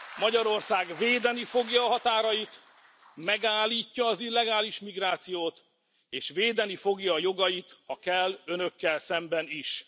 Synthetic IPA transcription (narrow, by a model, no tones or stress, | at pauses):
mɒɟɒɾo̞rsaːɡveːd̪ɛnifo̞ɡjɒːɦɒt̪aːɾɒjit̪ | mɛɡaːlːiːcːɒːzilːɛɡaːliʃmiɡraːt̪sijoːt̪ | eːʃveːd̪ɛnifo̞ɡjɒːjo̞ɡɒjit̪hɒkɛlːø̞nø̞kːɛlsɛmbɛniʃ